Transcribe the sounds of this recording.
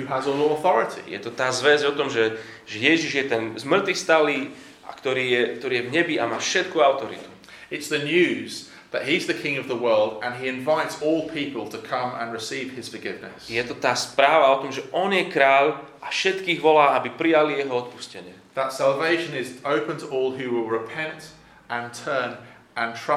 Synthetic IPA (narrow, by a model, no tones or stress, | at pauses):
hʉəzəlɔəθɔɹɪtʰḭjɛ̰t̪ɔt̪aːzʋɛzɔt̪ɔmʒɛ | ʒɛjɛʒiʒjɛt̪ɛnzmr̩t̪ʋist̪aliː | a̰kt̪ɔɾiːjɛkt̪ɔɾiːjɛvɲɛbiamaːfʃɛt̪̚kuaʊt̪ɔɾḭt̪u̥ | ɪtsðənjʉːz | ðəʔɦiɪzðəkʰɪ̃ŋəvðəwɜːlˠdə̃niɪ̃ɱvaɪtsɔːlˠpʰiˑpəlˠtʰəkʰʌ̃mə̰̃nɹɪsiːv̥ɪz̥fəɡɪvnɪ̰sjɛt̪ɔt̪aːspɾaːʋaɔt̪ɔmʒɛʔɔnjɛkɾaːl | afʃɛt̪kiːɣʋɔlaːabipɾijalijɛɦɔɔt̪̚pu̥scɛɲɪɛ | ðətsalˠveɪʃə̃nɪzəʊpə̃ntʰəʔɔːlˠɦʉwɪlˠɹɪpʰɛ̃nt | ʔə̃ntʰɜːn | ʔə̃ntʰɹ̥ʌ